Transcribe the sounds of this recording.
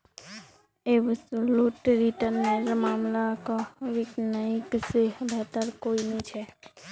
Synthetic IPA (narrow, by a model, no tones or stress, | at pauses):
eʋsluʈɾiʈənːeɾmaːmlakoʋɪknəikseɦbʱat̪əɾkoinit͡ʃʰe